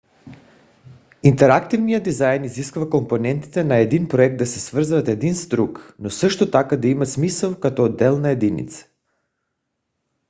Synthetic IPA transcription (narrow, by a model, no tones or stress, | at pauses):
int̪ɛɾakt̪ivnijad̪izajniziskuvakomponɛnt̪i̥t̪ɛnaɛd̪inpɾoɛk̚t̪d̪asɛsvr̩zvat̪ɛd̪inst̪ɾuknosəʃt̪ot̪akad̪aimat̪smisɛlˠkat̪od̪ɛlˠnaɛd̪inḭt̪sḁ